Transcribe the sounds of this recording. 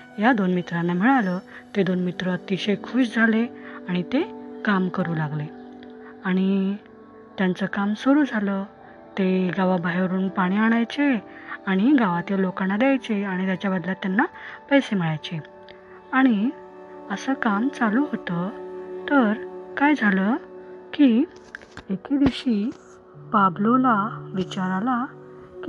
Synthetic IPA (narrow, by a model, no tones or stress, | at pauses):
jad̪onmit̪ɾanːam̤əɭalə | t̪ed̪onmit̪ɾət̪iɕekʰuːɕd͡zʱaleaɽ̃it̪ekamkəɾuːlaɡle | aɽ̃i | t̪jant͡səkamsoɾuːd͡zʱalə | t̪eɡaʋabʱajʋəɾuːnpaɽ̃iaɽ̃ajt͡ɕeaɽ̃iɡaʋat̪jalokanad̪jajt͡seaɽ̃it̪jat͡ɕabəd̪lat̪janːapəjsem̤iɭajt͡ɕe | aɽ̃i | əsəkamt͡saluɦot̪ət̪əɾkajd͡zʱaləki | eked̪eɕi | pablolaʋit͡ɕaɾalak